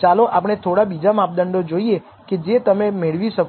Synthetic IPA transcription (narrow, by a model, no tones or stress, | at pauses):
t͡ʃaloʔapəɽ̃et̪ʰoɽabid͡ʒamap̚d̪əɳɖod͡ʒoie | ked͡ʒet̪əmemeɭʋiʃək